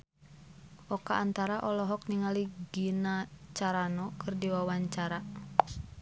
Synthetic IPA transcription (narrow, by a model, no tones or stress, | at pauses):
ʔɔkaʔːnt̪aɾaʔɔlɔɦɔk̚niŋaliɡinat͡ʃaɾanɔkʰɨrdiwawaɲt͡ʃaɾa